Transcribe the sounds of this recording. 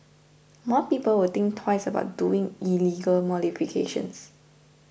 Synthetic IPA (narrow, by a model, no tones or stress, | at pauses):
mɔpiːpəlwət̪ɪ̃ŋk̚tʰwaɪsəba̰ʊt̚duɪ̃ŋiliɡəlmɔlifikʰḛʃə̰̃ns